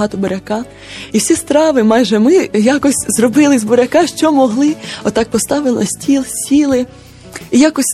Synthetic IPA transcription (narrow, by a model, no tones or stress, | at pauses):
ɦɑt̪ɔbɔɾʲɐkɑ | iwsʲist̪ɾɑʋɪmɑjʒɛmɪjakɔsʲzrɔbɪlˠɪzbɔɾʲɐkɑʃt͡ʃɔmɔɦlˠɪɔt̪ɑk̚pɔst̪ɑʋɪlˠɐsʲtʲilˠsʲtʲilˠɪ | ijakɔsʲ